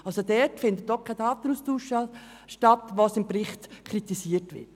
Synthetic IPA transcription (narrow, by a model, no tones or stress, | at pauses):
ɑlsodɛtfɪndət̚d̥ɔχkʰːaɪdaːt̪ən̩uːstuːʃɑ | ʃtatʋosɪmpɾɪχtkʰɾitisiːətʋɪ̰t